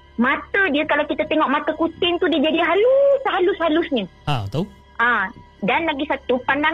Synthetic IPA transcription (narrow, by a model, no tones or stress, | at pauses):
mat̪ədiəkalawkit̪ət̪eŋɔʔmat̪əkut͡ʃɪŋt̪udiəd͡ʒadiɦalusɦalusɦalusɲə | at̪a | ʔã | danlaɡisat̪upandaŋ